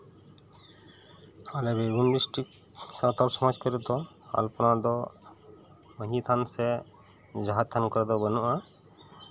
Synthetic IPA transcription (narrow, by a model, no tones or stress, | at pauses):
alɛbeɡunbisʈik | sãt̪aɾsɔmad͡ʒkəɾɛt̪ɔ | a̰lpɔnad̪ɔ | məɦit̪ʰansɛ | d͡ʒaɦat̪ʰːankɔɾɛd̪ɔbənuʔa